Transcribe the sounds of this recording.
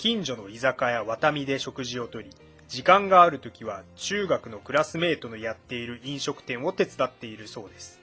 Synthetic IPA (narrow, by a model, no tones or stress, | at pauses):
kʲĩɲd͡ʑo̞no̞izakajaβat̪amʲid̪e̞ɕo̞kɯ̟ʑio̞t̪o̞ɾʲi | d͡ʑikãŋɡaːɾɯ̟t̪o̞kʲiβat͡ɕɨːɡakɯ̟no̞kɯ̟ɾasɨme̞ːt̪o̞nojat̪ːe̞iɾɯ̟ĩɰ̃ɕo̞kɯ̟̥t̪ẽ̞ɰ̃o̞t̪e̞t͡sɨd̪at̪ːe̞iɾɯ̟so̞ːd̪e̞sɨ̥